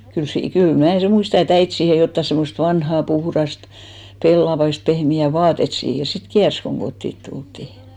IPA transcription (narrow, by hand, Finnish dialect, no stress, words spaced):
kyl siː kyl mnæˑ sem muistɑ et æit siːhe jotːɑ semːost ʋɑnhɑˑ puhrɑst pelːɑʋɑist pehmiæˑ ʋɑːtet siːhes sit kiærs koŋ ɡ̊otːit tultːiˑ